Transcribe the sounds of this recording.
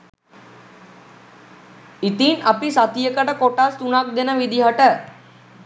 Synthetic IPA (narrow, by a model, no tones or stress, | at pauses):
it̪inapisat̪ijəkəʈəkoʈast̪unak̚d̪enəʋid̪iɦaʈə